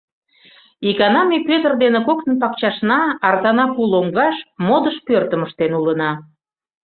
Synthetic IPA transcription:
ikɑnɑmepøt̪ərd̪enĕkoknənp̬ɑkt͡ɕɑʃnɑɑrt̪ɑnɑpuloŋɡɑʃmod̪əʃpørt̪ə̆məʃt̪enulənɑ

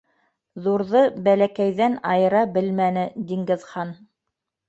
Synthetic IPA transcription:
ðuɾðɤbælækæjðænɑjɤ̆ɾɑbɘlmænɘd̪iŋɡɘ̆ðχɑn

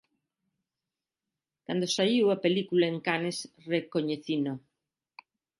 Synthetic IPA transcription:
kand̪osaiwɐpelikulaeŋkanes | rekoɲeθino

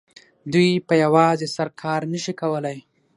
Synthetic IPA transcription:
d̪ujpəjawɑzesaɾkʰɑɾnəʃikawəlaj

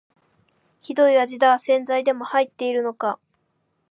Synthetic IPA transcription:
çid̪o̞iβad͡ʑid̪aːsẽ̞nd͡zaid̪e̞mo̞hait̪ːe̞iɾɯ̟no̞ka

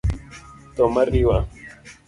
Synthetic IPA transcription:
t̪omariwa̰

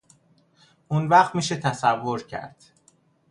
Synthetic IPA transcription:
ʔunvæχt̪miːʃet̪ʰæsævːoɾcʰæ̰ɾd̪̥

